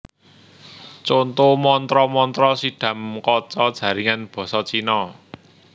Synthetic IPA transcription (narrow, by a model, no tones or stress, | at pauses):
t͡ʃont̪omɔnt̪ɾɔmɔnt̪ɾɔsiɖ̥ä̤mkɔt͡ʃɔd̥ʒ̥ä̤ɾiŋanb̥ɔ̤sɔt͡ʃinɔ